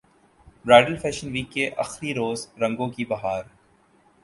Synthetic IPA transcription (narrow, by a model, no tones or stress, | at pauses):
ɾaːɪɖəlfʰɛːʃənʋiːkːeʔɐ̰xɾiɾoːzɾɐ̃ŋɡõkibɐɦaːɾ